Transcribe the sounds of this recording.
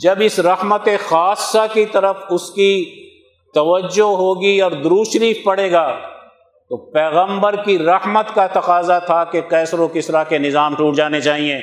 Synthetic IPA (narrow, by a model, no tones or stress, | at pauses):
d͡ʒɐbɪsɾɐhmət̪exaːsːakit̪ɐɾəfʊski | t̪ɐʋəd͡ʒːoɦoːɡiɔːɾd̪ʊɾuːʃɾiːfpɐɽeːɡaː | t̪oːpɛːɣə̃mbəɾkiɾɐhmət̪kat̪ɐqaːzat̪ʰakekɛːsɾõkɪsɾakenɪzaːmʈuːʈ̚d͡ʒaːnet͡ʃaːɦiẽː